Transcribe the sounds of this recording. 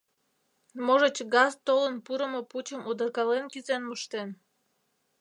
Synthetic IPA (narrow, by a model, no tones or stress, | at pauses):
moʒət͡ɕɡɑzt̪olənpuɾəmoput͡ɕəmud̪ərkɑlenkizenməʃt̪en